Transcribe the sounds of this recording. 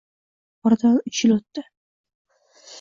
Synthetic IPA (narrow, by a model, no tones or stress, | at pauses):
ɒɾd̪anʊt͡ʃʰɪlot̪ːɪ